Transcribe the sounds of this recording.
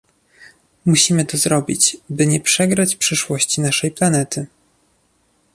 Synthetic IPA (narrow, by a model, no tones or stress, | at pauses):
muɕimɘt̪ɔzɾɔbʲḭt͡ɕbɘɲɛpʂɛɡɾat͡ɕpʂɘʂwɔɕt͡ɕinaʂɛjplanɛt̪ɘ